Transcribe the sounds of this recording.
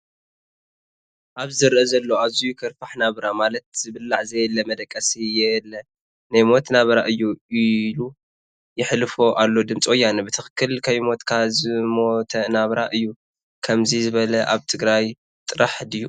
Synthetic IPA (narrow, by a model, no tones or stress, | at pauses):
ʔaβzɨɾʔɐzɐlːo̞aβzujɪkʰɐɾfaħnaβɾamalɐt̪̚z̥ɨβɨlːaʕzɐjlːɐmɐd̪ɐkʼːɐsijɛlːɐ | najmo̞t̪naβɐɾaʔɨjːuilu | jɪħlɨfoʔalːo̞d̪ɨmt͡sʼojːanɐbɨt̪ʰɨxɨ̥kʰːɨlkʰɐjmo̞t̪kʰazɨmot̪ʰɐnaβɾaʔɨjːu | kʰɐmzizɨβɐlɐʔaβt̪ʰɨɡɾaj | t̪ʼɨɾaħd̪ɨjːu